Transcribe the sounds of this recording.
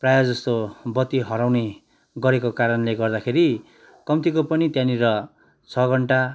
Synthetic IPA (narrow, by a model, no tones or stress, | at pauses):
prajad͡zʌst̪obʌt̪ːiɦʌɾawne | ɡʌɾekokaɾʌnleɡʌrd̪akʰeɾi | kʌmt̪ikopʌnit̪jãniɾʌ | t͡sʰʌɡʱʌɳʈa